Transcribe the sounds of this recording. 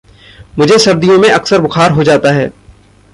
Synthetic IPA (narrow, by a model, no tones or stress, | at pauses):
mʊd͡ʒʱesɐɾd̪ijõmẽʔɐksəɾbʊxʰaːɾɦod͡ʒaːt̪aɦɛ̰ː